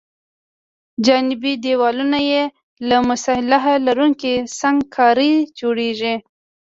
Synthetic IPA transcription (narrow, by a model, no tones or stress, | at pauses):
d͡ʒɑnɪbid̪ewɑlunaje | lamʊsɑhɪlaɦalaɾuŋkisaŋɡkʰɑɾəd͡ʒoɽeʒi